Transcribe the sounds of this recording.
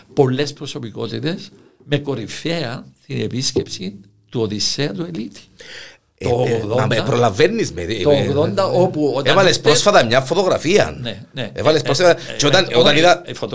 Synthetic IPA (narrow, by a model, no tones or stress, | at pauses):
polːespɾosopikot̪it̪esmekoɾifeɐnst̪inepiskepsi | t̪uoðiseɐt̪uelit̪i̥ | oðoaepɾolavenːizmeðt̪oɣðond̪ɐopuotevalespɾosfaðaɲafːot̪oɣɾafiɐ̰nne | neḛvalespɾosfad͡ʒot̪anot̪aniðafot̪